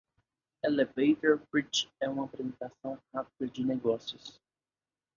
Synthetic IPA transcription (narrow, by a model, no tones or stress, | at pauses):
elevejt̪oɾbɾit͡ʃɛũmɐapɾezẽnt̪asɐ̃w̃hapɐd͡ʒɪneɡɔsjʊs